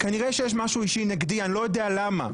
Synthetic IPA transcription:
kaniʁeʃejeʃ̬maʃuiʃineɡd̪ianilo̞jodealama̰

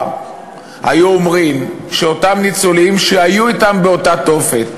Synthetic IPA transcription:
ha̰juomʁimʃeo̞tamnit͡sulimʃehajuitambeo̞tat̪o̞fet

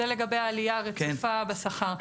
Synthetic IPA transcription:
ele̞ɡabe̞jaːlijaʁekfabasaχaʁ

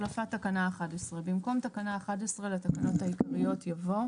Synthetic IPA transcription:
lafat̪ːakanaːχadesʁebimko̞mt̪akanaːχadesʁelatakano̞thaikaʁijo̞t̪javo̞

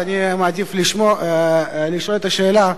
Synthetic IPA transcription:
animad̪ifliʃmo | liʃolet̪aʃeːla

